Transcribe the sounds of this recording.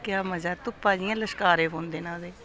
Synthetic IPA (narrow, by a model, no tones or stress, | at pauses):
kɪjaːməd͡ʒaːt̪ʊpːãːd͡ʒɪjãːləʃkaːɾeːbõːnd̪eːnãːd̪eː